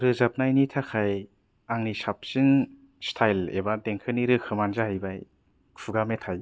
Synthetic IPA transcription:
ɾɯzap̚najnitʰakʰaj | aŋnisap̚sin | stʰajlḛbadeŋkʰɯniɾɯkʰɯmanzahajbaj | kʰuɡametʰaj

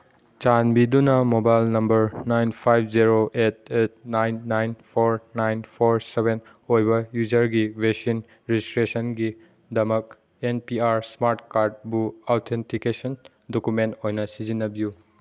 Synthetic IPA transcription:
t͡ʃanbidunɐmobajlnɐmbɐɾnajnpʰajbʰziɾoʔet̚et̚najnːajnpʰoɾnajnpʰoɾsebʱen | ojbɐjuzɐɾɡibesin | ɾizistɾesɐnɡi | dɐmɐk̚ | enpiaɾsmaɾtkaɾd̚buawtʰentʰikesɐn | dokumentojnɐsizinːɐbiju

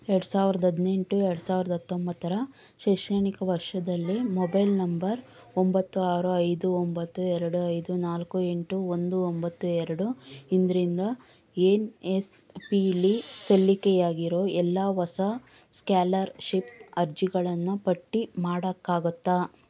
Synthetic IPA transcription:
ɛɾɽusaːʋiɾɐd̪ɐd̪ne̞ɳʈuɛɾɐɽusaːʋiɾɐd̪ɐɐt̪ːombɐt̪ːɐɾɐ | ʃejʂɐɳikɐʋɐɾʂɐd̪ɐlːimɔbɐjlnɐmbɐɾ | ombɐt̪ːuaːɾuɐjd̪uombɐt̪ːuɛɾɐɽuɐjd̪unaːlkue̞ɳʈuond̪uombɐt̪ːuɛɾɐɽuind̪ɾind̪ɐ | eːnes | pilisɐlːikejaːɡiɾo̞ːʔɛlːɐʋɐsɐ | skjaːlɐɾʃipɐɾd͡ʒiɡɐɭɐnːupɐʈːimaːɽɐkːaːɡut̪ːa

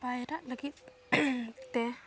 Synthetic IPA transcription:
bajɾaʔləɡit̪̚ | t̪ɛ

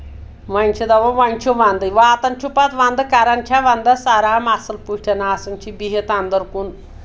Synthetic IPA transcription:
ʋanʲt͡ʃʰid̪ɐʋoʋanʲt͡ʃʰuʋand̪əjʋaːt̪ɐnt͡ʃʰupat̪ʋand̪ɨkaɾant͡ʃʰaʋand̪asaɾamasəlpuʃʈʰenaːsɐnʲt͡ʃʰibiɦet̪and̪əɾkun

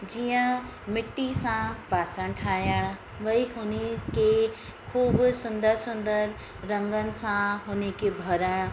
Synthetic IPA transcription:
d͡ʒijə̃ | mɪʈːisãpaːsəɽ̃ʈʰaːjəɽ̃ | ʋɐiɦʊneke | kʰuːbsʊnd̪əɾsʊnd̪əɾː | ɐ̃ŋɡənɪ̆sãɦʊnekebʱɐɾəɽ̃

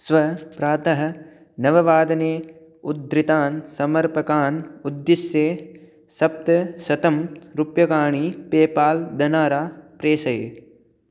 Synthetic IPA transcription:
sʋɐpɾaːt̪ɐɦɐ̆ | nɐʋɐʋaːd̪ɐneː | ud̪ɾit̪aːnsɐmɐɾpɐkaːnud̪ːisjeː | sɐp̚t̪ɐsɐt̪ɐmɾupjɐkaːɳiːpeːpaːld̪ɐnaːɾaːpɾeːsɐje

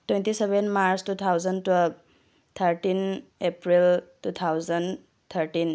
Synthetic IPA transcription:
twentisebenmaɾstut̪ʰawzəntɔ | t̪ʰəɾʈinepɾiltut̪ʰawzən | t̪ʰəɾʈin

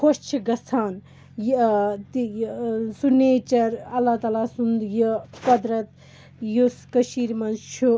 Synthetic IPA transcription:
kʰost͡ʃʰiɡɐsʰaːn | jt̪ijsuneːt͡ʃɐɾɐlːaːt̪aːlasund̪jəpɐd̪ɾɐt̪ | juskɐʃiːɾmɐnt͡ʃʰu

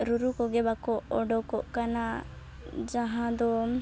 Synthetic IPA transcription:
ɾuɾukɔɡɛbakɔʔɔɖɔkɔʔkana | d͡ʒaɦãd̪ɔ

